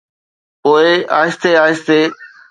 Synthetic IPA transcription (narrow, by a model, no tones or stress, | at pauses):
poːɪa̰ːɦɪst̪eːaːɪst̪eː